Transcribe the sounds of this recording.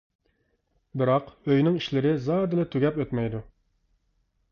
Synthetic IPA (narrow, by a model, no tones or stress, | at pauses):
bɪɾɑqøjnɪŋiʃlɪɾɪzɑd̪ɨlˠɨt̪ʰyɡʲɛpøt̪mɛjd̪u